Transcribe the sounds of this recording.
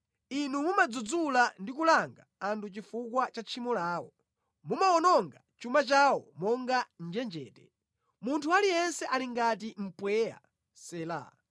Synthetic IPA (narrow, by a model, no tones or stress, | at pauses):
inumumad͡zud͡zulandikulaŋɡaantut͡ʃifukwat͡ʃat͡ʃʰimɔlaːwɔ | mumaɔnɔŋɡat͡ʃumat͡ʃawɔmɔŋɡan̩d͡ʒɛnd͡ʒɛ̰ːtɛ | muntʰualijɛnsɛʔaliŋɡat̬im̩pwɛːja̰ | sɛːla̰